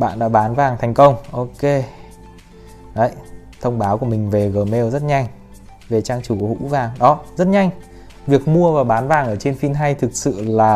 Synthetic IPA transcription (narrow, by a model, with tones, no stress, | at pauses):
ɓa̰ː˧˨nɗa̰ː˧˥ɓaː˨˦nvaː˨˩ŋt̪ʰɛ˨˩jŋ̟kə˧wŋ͡mʔo˧ke˧ | ɗə˨˧˦j | t̪ʰə˧wŋ͡mɓaː˨˦wku˧˩əmï˨˩ŋ̟ve˨˩ɣəː˨˩me˧wzə˦˥t̚ɲa˧jŋ̟ | ve˨˩t͡ɕaː˧ŋt͡ɕu˧˩khṵ˧˥vaː˨˩ŋɗɔ˨˦zə˦˥t̚ɲa˧jŋ̟ | vi˨˩ək̚mu˧əvaː˨˩wɓaː˨˦nvaː˨˩ŋʔəː˧˩t͡ɕe˧nfi˧nɦa˧jt̪ʰɨ˨˩k̚sɨ̰˧˨laː˨˩